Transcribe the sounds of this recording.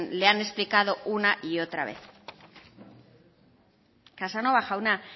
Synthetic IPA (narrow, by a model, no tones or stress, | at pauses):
leane̞splikaðo̞ʔunaʔio̞t̪ɾa̰βe̞̰θ | kasano̞βaxauna